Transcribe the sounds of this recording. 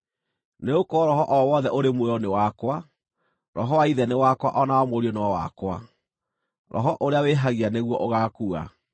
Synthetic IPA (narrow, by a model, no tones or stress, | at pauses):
neokɔɾɔɦɔʔɔwɔðɛʔoɾemweɔnewakwa | ɾɔɦɔwaiðɛnewakwa̰ʔɔnawɔmoɾiɔnewɔwa̰kwa̰ | ɾɔ̰ɦɔʔoɾeaweɦaɣianeɣwɔʔoɣakua̰